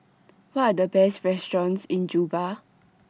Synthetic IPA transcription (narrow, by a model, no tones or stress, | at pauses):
wɔtadəbɛstɹɛstɹɔ̃nsĩnd͡ʒuba